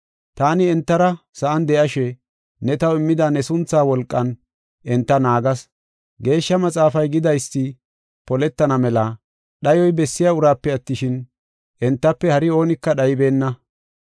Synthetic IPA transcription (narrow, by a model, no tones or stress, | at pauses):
t̪aːnɪɛnt̪ːɐɾɐsɐʔɐnd̪ɛʔɐʃɛ | nɛt̪ɐwɪmːɪd̪ɐnɛsʊnt͡sːaːwɔlkʼːɐn | ʔɛnt̪ːɐnaːɡɐs | ɡe̞ːʃːɐmɐt͡sʼaːfɐjɡɪd̪ɐjsːɪ | pɔlɛt̪ːɐnɐmɛlɐ | ɗɐjɔjbɛsːɪjaʊɾaːpːɛɐt̪ːɪʃɪn | ʔɛnt̪ːɐpːɛhɐɾɪo̞ːnɪkːɐɗɐjɪbe̞ːnːɐ